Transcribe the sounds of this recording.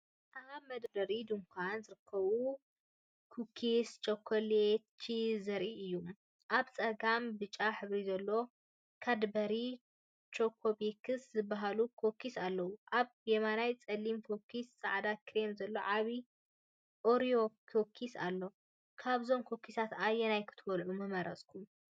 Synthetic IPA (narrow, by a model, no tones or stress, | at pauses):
ʔaβmɐd̪bɐɾid̪ɨmkʷʰanzɨɾɨkʰːɐβu | kʰukʰist͡ʃʼokʰolet͡ʃʰːizɐɾʔiʔɨjːu | ʔaβt͡sʼɐɡambɨt͡ʃʼːaħɨβɾizɐlːo̞ | kʰad̪bɐɾi | t͡ʃʰʼokʰːobekʰɨszɨbːaɦalukʰokʰːisalːɐwuʔaβjemanajt͡sʼɐlimfʰokʰisːaʕd̪akʰɾemzɐlːo̞ʕaβi | ʔoɾijokʰokʰisa̰lːo̞ | kʰaβzo̞mkʰokʰːisat̪ajːɛnajkʰɨ̥t̪ʰɨwɔlʕumɐmɐɾɐ̰sʼkʰum